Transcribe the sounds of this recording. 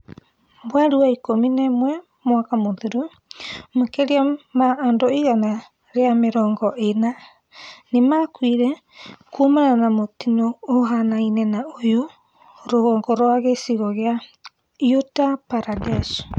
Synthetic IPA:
bwaɾuaikominɛmwɛ | moakamoðuɾu | makɛɾiamaːndoiɣana | ɾeameɾɔːŋɡɔʔena | nemakwiɾɛ | kumananamotinoːɦanainɛnaojo | ɾoɣɔːŋɡɔɾoaɣesiɣɔɣea | jotapaɾadɛs

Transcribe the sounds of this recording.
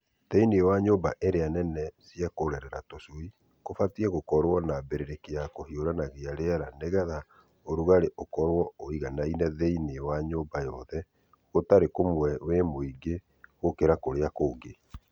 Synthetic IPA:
ðeinewaɲomba̰ʔeɾeanɛnɛsiakoɾɛɾɛɾa̰tosoi | kofatiɛɣokɔɾwɔnabeɾeɾekeakohioɾanaɣeaɾeaɾaneɣɛða | oɾuɣaɾeʔokɔɾwɔoiɣanainɛðeinewaɲobajɔðɛ | ɣotaɾekomwɛwemoiɡe | ɣokeɾakoɾeakoːɡe

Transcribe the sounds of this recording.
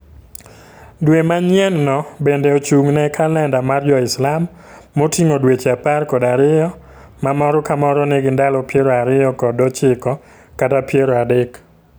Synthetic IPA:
dwemaɲjɛnːɔbendɛot͡ʃuŋnɛkalɛndamaɾd͡ʒɔɪslamː | otiŋodwet͡ʃaparkɔdaɾɪjɔ | mamɔɾɔkamɔɾɔnɪɡɪndalɔpjeɾɔaɾɪjɔkɔdɔt͡ʃɪkɔ | katapjeɾɔadɪk

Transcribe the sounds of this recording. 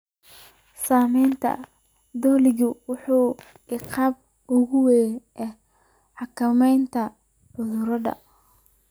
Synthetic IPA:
saːmɛjnt̪ʰɐ̰ | d̪ɔlɪɣʊwʊħuː | ɪqʰɑb̚ | ʊɣʊwɛːʔɛ | ħɑkʰɐmɛjnt̪ʰɐ | ʕʊðʊɾɐðɐ̰

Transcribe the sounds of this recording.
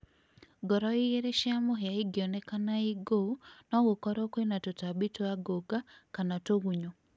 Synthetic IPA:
ɡɔɾɔijeɾeʃiamoɦeaiɡjɔnɛkanaiɡonɔɣokɔɾɔkwenatotabitoaɡoɡakanatoɣuɲo

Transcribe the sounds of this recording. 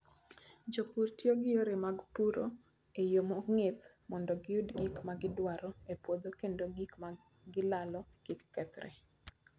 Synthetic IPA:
d͡ʒokurtjoɡɪjoɾemaɡpuɾo | ejomɔŋɪt̪ | mɔndɔɡɪudɡikmaɡɪdwaɾɔepwod̪okendoɡikma | ɡɪlalɔkɪkːɛt̪ɾɛ̰

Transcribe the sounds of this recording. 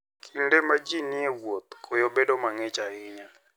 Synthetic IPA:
kʰindemad͡ʒinɪɛwwot̪̚kʰojobedomaŋɛt͡ʃaɪɲa

